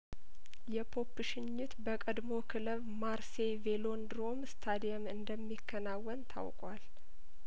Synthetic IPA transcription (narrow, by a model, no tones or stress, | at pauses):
jɛpʰo̞pːɨʃɪɲːut̪bəkʼəd̪mo̞kʰɨləβmaɾsevelo̞nd̪ɾo̞mst̪ʰad̪ijamɨnd̪əmːikʰːənawːənt̪ʰa̰wkʼwal